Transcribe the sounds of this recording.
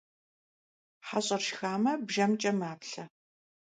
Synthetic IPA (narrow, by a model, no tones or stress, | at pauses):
ħaɕʼɐrʃxaːmɐbʒɐmt͡ʃʼɐmaːpɬɐ